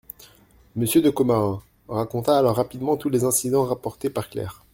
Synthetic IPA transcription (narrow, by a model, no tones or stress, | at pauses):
məsjød̪əkomaʁɛ̃ | ʁakɔ̃t̪aːlɔʁːapid̪mɑ̃t̪ulezɛ̃sid̪ɑ̃ʁapɔʁt̪epaʁklɛ̰ːʁ